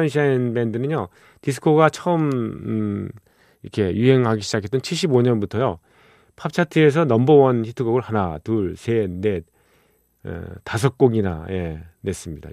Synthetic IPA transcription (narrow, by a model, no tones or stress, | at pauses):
nɕʰanbe̞ndɯnɯnjo | tis̬ʰɯ̥kʰoɡat͡ɕʰʌɯm | iɾʌ̰kʰe̞juɦe̞ŋɦaɡiɕʰid͡ʑakʰet͈ʌnt͡ɕʰiɭɕ̬͈iboɲʌnbutʰʌjo | pʰap̚t͡ɕʰatʰɯe̞s̬ʰʌnʌmbʌwʌnçitʰɯɡʌɡɯɭhanatuɭsʰene̞ | tasʰʌk̚k͈oŋɡina̰je̞ne̞s͈ɯmɲida̰